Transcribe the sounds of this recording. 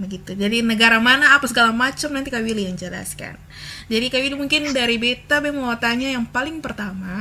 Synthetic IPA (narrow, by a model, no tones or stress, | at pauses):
bəɡit̪ud͡ʒadinəɡaɾamanaːpasəɡalamat͡ʃəmnant̪ikawilijaŋd͡ʒəla̰ska̰n | d͡ʒadikawilimuŋkɪndaɾibet̪abɛhməwat̪aɲajaŋpalɪŋpərt̪ama